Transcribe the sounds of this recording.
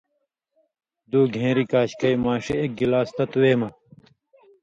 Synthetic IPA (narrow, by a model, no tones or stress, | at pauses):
d̪uːɡʱẽːɾikaːɕkɐjmaːʂeek̚ɡilaːst̪ɐt̪weːmɐ